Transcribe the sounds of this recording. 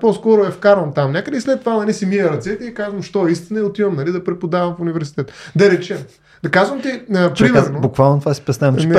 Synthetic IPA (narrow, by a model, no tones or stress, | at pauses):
pɔskɔɾʊɛfkaɾvɐmt̪amnʲakəd̪əislɛt̪ːovanɐlisimiɛɾɐt̪sɛt̪iɛkazvəmʃt̪ɔɛist̪inɐɛʊt̪ivɐmnɐlid̪ɐpɾɛpod̪avɐmfʊnivɛɾs̬i̥t̪ɛt̪d̪ɐɾɛt͡ʃɛm | d̪ɐkazvəmt̪ipɾɾimaobukvalˠnot̪vasi̥pɛsnaɐm